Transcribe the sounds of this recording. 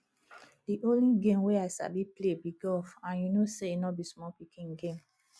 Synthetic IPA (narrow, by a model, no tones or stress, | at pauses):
diʔõliɡẽmwɛaɪsa̰biplebiɡɔfãnjunosenɔbismɔpikĩnɡẽm